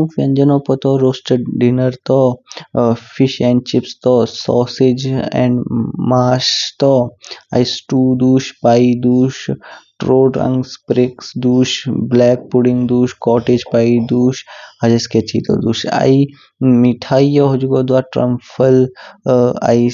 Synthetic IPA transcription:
ũfiɐ̃nd͡ʒɐnopɔt̪ɔɾoːsʈəɖinəɾt̪ɔ | fiʃɛ̃ːɳɖ̚t͡ʃipst̪ɔsɔːsid͡ʒɛ̰̃ɳɖmaːʃt̪ɔaisʈuːd̪uːʃpaːid̪uːʃʈɾoːɖɐ̰̃ŋɡspɾɪksd̪uːʃblɛːk̚puɽiŋɡd̪uːʃkɔːʈed͡ʒpaːid̪uːʃɐd͡ʒɐsket͡ʃiːt̪ɔ̰d̪uːʃa̰i | miʈʰaːijɔɦod͡ʒuɡod̪ʋaʈɾɐ̰mfʰəl | a̰i

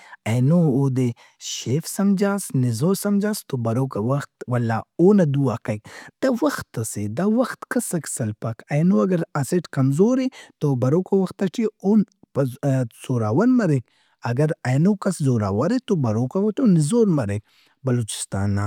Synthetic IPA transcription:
ɐjnooːd̪e | ʃeːfsɐmd͡ʒaːsnizoːsɐmd͡ʒaːst̪obɐɾoːkɐwɐxt̪wɐlːaːoːnɐd̪uaːkɐk̚d̪̥ɐwɐxt̪ːɐsed̪ɐwɐxt̪kʰɐsɐksɐlpɐkɐjnoɐɡɐɾɐseʈkɐmzoːɾet̪obɐɾokɐwɐxt̪ːɐʈʰion | z̥oːɾaːwɐnmɐɾek | ɐɡɐɾɐjnoːkɐszoːɾa̰ːwɐɾet̪obɐɾokɐwɐt̪onizoːɾmɐɾek̚ | bɐloːt͡ʃi̥st̪a̰ːna

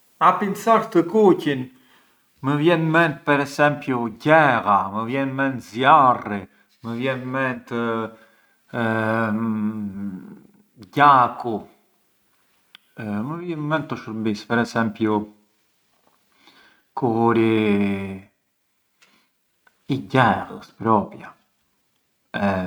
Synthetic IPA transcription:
apinsaɾt̪əkucin | məvjɛnmɛnt̪̚pɛɾɛsɛmpjuɟɛɣaməvjɛnmɛnt̪zjari | məvjɛnmɛnt̪ə | ɟaku | məvjɛnmɛnt̪ːəʃəɾmbispɛɾɛsɛmpju | kʰuɾi | iɟɛʁəspɾɔpja | ɛ

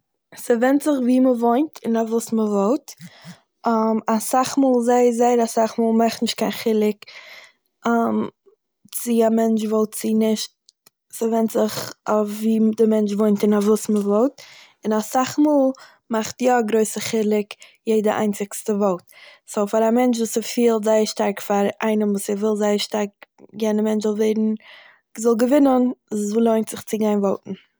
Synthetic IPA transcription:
səvɛntzɪχviːməvoɪntʰɪnavuːsməvɔlˠt | amasaχmuːlˠzaɪəzaɪəɾasaχmuːlˠmaχtnɪʃtkʰaɪnχɪlˠɪk | am | t͡sɪamɛnt͡ʃvɔlˠtt͡sɪnɪʃt̚ | səvɛntz̥ɪχafviːdɪmɛnt͡ʃvoɪntɪnavuːsməvɔlˠt | ɪnasaχmuːlˠ | maχtjɔɡɾoɪsəχɪlˠɪkjeɪdəʔa̰ɪnt͡sɪkstəvɔlˠt̚soʊfaɾamɛnt͡ʃvuːsəfiːlˠtzaɪəɾʃtaɾkfaɾaɪnəmvuːsɪvɪlˠzaɪəɾʃtaɾk̚ɡɛnəmɛnt͡ʃzɔlˠveɪɾn̩ | zɔlˠɡəvɪnənlˠoɪntz̥ɪχt͡sɪɡaɪnvɔlˠtn̩

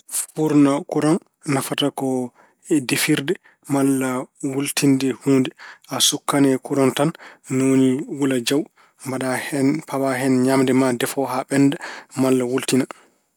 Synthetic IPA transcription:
fuɾnakuɾɔn | nafatakɔ | ɛdefiɾdɛ | malːawultʰindɛhuːndɛʔasukːanɛkuɾɔntanːoniwulad͡ʒaw | mbaɗahɛnpabaɦɛnɲamdɛmadɛfɔɦaɓɛndɛmalːawultina

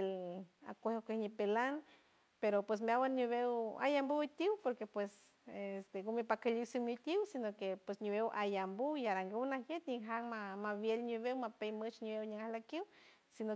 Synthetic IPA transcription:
ela̰kʷehokehɲipelan | peɾopwes̬meawaɲiβewa̰jambut̪ʲiwpoɾkepwes | est̪eɡumipakaliwsiŋmit̪ʲiwsinokepwesɲuβewʔajambuiaɾaŋɡiwnaɦjet̪ɲiɦaŋmamaβjelɲuβewmapejmɨt͡ʃniβewɲaŋahlakiw | sino

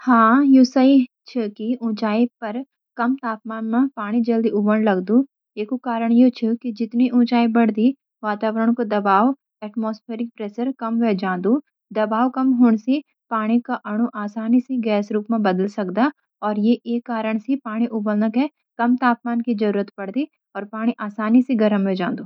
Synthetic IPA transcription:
hãːjusəi | t͡ʃʰɪkiʊ̃t͡ʃaːipɐɾ | kɐmt̪aːp̚maːnmẽpaːɽ̃id͡ʒɐld̪iʔʊbənlɐɡd̪u | eːkukaːɾəɽ̃jet͡ʃʰɪkid͡ʒɪt̪niʔʊ̃ːt͡ʃaːibɐɽ̤d̪i | ʋaːt̪aːʋəɾəɽ̃kod̪ɐbaːʋ | ɛːʈmoːspʰeːɾɪk̚pɾeːʃəɾkɐmʋɛd͡ʒãːd̪u | d̪ɐbaːʋkɐmɦʊɳ̃si | paːɽ̃ikaʔɐɽ̃uʔaːsaːniseɡɛːsɾuːpmẽbɐd̪əlsɐkd̪a | ɔːɾjeʔeːkːaːɾəɽ̃sipaːɽ̃iʔʊbəlnəkɦɛ | kɐmt̪aːp̚maːnkid͡ʒɐɾuːɾət̪pɐɽd̪i | ɔːɾpaːɽ̃iʔaːsaːniseɡɐɾəmʋed͡ʒãːnd̪uː

